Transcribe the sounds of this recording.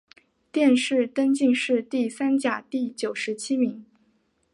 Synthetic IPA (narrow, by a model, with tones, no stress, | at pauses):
t̪jɛ˥˧nʂɻ̩˥˩t̪ə˥nt͡ɕi˥˧ŋʂɻ̩˥˧t̪i˥˩sa˥nt͡ɕja˨˩t̪i˥˩t͡ɕjo˨˩ʊʂɻ̩˧˥t͡ɕʰi˥mi˧˥ŋ